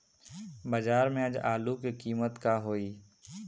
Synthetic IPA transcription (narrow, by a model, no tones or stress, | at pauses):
bəd͡ʒaːɾmẽəd͡ʒaːlukikiːmət̪kaːɦoːiː